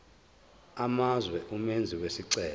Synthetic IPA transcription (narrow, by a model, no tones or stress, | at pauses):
amazwɛʔumend͡zʱiwesiǀɛː